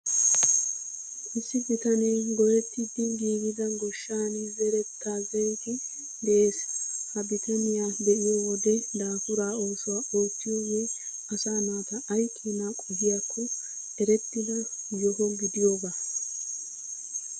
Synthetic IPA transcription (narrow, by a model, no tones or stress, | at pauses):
ʔɪsːɪbɪt̪ɐnɛɡɔjɛt̪ːɪd̪ɪɡiːɡɪd̪ɐɡɔʃːaːnɪzɛɾɛt̪ːaːzɛjt̪ɪ | d̪eeːshɐbɪt̪ɐnɪjad̪ɛʔɪjowɔd̪ɛd̪aːfʊɾaːo̞ːsʊwaːʔo̞ːt͡sːɪjɔjɛ | ɐsaːnʊwat̪ɐʔːjkʰːiːnakʼɔbɪjakʰːɔ | ɛɾɛt̪ːɪd̪ɐjɔɦɔɡɪd̪ɪjobaː